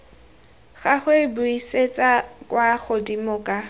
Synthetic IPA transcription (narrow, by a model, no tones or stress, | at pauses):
ɣaχʊebʊiset͡sʼakʼwaχʊdimʊkʼa